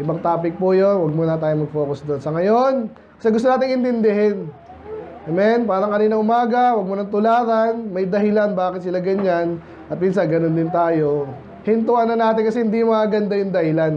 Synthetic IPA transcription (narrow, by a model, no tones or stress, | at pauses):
ʔɪbaŋt̪aːpɪk̚pujonwɐɡ̚munɐt̪aːjomɐɡ̚fo̞ːkʊsd̪onsɐŋɐjo̞n | kɐsɛɡʊst̪oaːt̪ɪŋʔɪnt̪ɪnd̪ɪɦɛn | ʔɛmɛnpaːɾɐŋkɐniːnɐŋʔʊmaːɡɐwɐɡ̚muːnɐŋt̪ʊlaːtɐnmɐjd̪ɐɦɪlanbaːkɪt̪̚sɪlaɡɐɲan | ʔɐt̪̚minsanɡɐnond̪ɪnt̪aːjo̞ | hɪnt̪ʊʔɐnɐnaːt̪ɪnkɐsɛhɪnd̪ijmɐaɡɐnd̪ajʊŋd̪ɐhɪlan